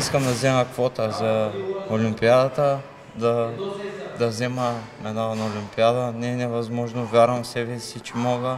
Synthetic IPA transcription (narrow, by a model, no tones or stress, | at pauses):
iskəmd̪ɐzɛməkvɔt̪əzɐolʲimpiad̪at̪ə | d̪ɐ | d̪ɐzɛməmɛnadɐnɐolʲimpiad̪ənɛnɛvɐzmɔʒnovʲjaɾvɐmfsɛbɛsit͡ʃɛmɔɡə